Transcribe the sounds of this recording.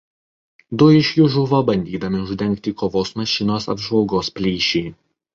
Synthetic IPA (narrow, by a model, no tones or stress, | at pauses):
d̪ʊɪʃʲjʊʒʊʋobɐnʲd̪ʲiːd̪ɐmʲɪʊʒʲd̪ʲɛŋʲˑkt̪ʲiːkoːʋoːsmɐʃʲɪnoːsɐ̰bʒʋɐlˠɡoːspʲlʲiːʃʲɛː